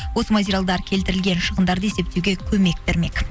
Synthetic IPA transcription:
wo̞səmatʲeɾʲjalˠd̪ɑɾkʲʰe̞lt̪ɪɾɪlɡʲe̞nʃəʁənd̪ɑɾd̪əe̞se̞p̚t̪ewɡʲe̞kʲʰɵme̞k̚t̪eɾme̞k

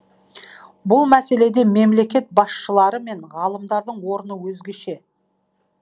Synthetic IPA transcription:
bʊlˠmæse̞le̞d̪e̞me̞mle̞kʲe̞t̪̚bɑsʃəlˠɑɾəme̞ɴʁɑlˠəmd̪ɑɾd̪əɴwo̞ɾənəwɵzɡʲe̞ʃe̞

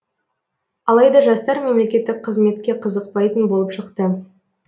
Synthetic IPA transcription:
ɑlˠɑjd̪ɑʒɑst̪ɑɾmemle̞kʲe̞t̪ːɪk̚qʰəzme̞t̪kʲe̞qʰəzəq̚pɑjt̪ənbo̞lˠəpʃəqt̪ə

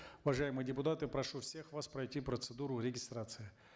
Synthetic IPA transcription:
ʊvɐʐajɪmɨjədʲɪpʊt̪at̪ɨpɾɐʂufsʲe̞xvaspɾɐjtʲipɾət̪sɨd̪uɾʊɾʲɪɡʲɪst̪ɾat̪sɨɪ

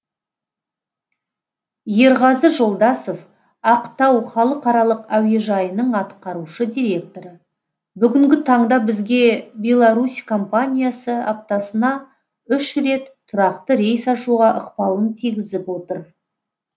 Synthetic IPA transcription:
je̞ɾʁɑzəʒo̞lˠd̪ɑsof | ɑqt̪ɑwχɑlˠəqɑɾɑlˠəqæwe̞ʒɑjənəɴɑt̪qɑɾuʃəd̪ʲijɾʲe̞k̚t̪o̞ɾə | bʏɡʲɪŋɡʲɪt̪ʰɑɴd̪ɑbɪzɡʲe̞bʲe̞lˠaɾuskʰo̞mpanʲijasəa̰p̚t̪ɑsənɑ | ʏʃɾe̞t̪ʰːʊɾɑqt̪əɾe̞jsɑʃuʁɑʔəqpɑlˠənt̪ʰijɡʲɪzɪpwo̞t̪əɾ

